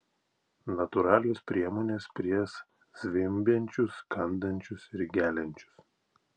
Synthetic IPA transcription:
nɐt̪ʊɾɑːlʲespʲɾʲiɛmoːnʲeːspʲɾʲiɛs | z̥ʲʋʲɪmʲbʲɛnʲt͡ʃʲʊskɐnd̪ɐnʲt͡ʃʲʊsɪɾɡʲæːlʲɛnʲt͡ʃʲʊ̥s

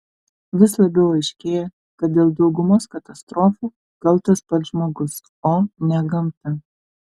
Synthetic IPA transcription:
ʋʲɪslˠɐbʲɛʊɐɪʃʲkʲeːjɛ | kɐt̪̚d̪ʲeːlˠd̪ɒʊɡʊmoːskɐt̪ɐst̪ɾoːfuː | kɐlˠˑt̪ɐspɐt̪ʒmoːɡʊs | oːnʲɛɡɐmt̪ɐ

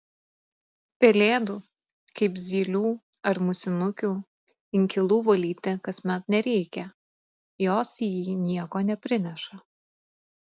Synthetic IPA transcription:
pʲɛlʲeːd̪u | kɐɪpzʲiːlʲuː | ɐɾmʊsʲɪnʊkʲuː | ɪŋʲkʲɪlˠuːʋɐlʲiːt̪ʲɪkɐsʲmʲɛt̪nʲɛɾʲɛɪkʲɛ | joːsjiːnʲiɛkoːnʲɛpʲɾʲɪnʲɛʃɐ

